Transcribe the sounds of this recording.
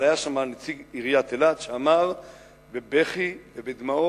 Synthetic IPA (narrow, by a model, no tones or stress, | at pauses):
ajaʃamanet͡siɡiʁjat̪elad̪ʃeamaʁ | bebeχivebed̪mao